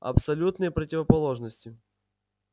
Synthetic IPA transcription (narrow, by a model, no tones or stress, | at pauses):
ɐ̰psɐlʲut̪nɨjəpɾətʲɪvəpɐlˠo̞ʐnəsʲtʲɪ